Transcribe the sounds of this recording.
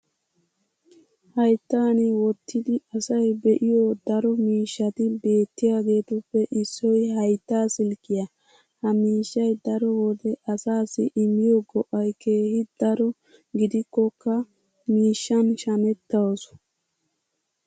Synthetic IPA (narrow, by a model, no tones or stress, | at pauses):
hɐjt̪ːaːnɪwɔt̪ʰːɪd̪ɪɐsɐjbɛʔɪjoːd̪ɐɾɔmiːʃːɐt̪ɪbe̞ːt̪ːɪjaːɡe̞ːt̪ɔpːɛʔɪsːɔjhɐjt̪ːaːsɪlkɪjɐ | hɐmiːʃːɐjd̪ɐɾɔwɔd̪ɛʔɐsaːsɪʔɪmːɪjɔɡɔʔɐjke̞ːhɪd̪ɐɾɔ | ɡɪd̪ɪkːɔkːɐ | miːʃːɐnʃɐnɛt̪ːɐwsɔ̥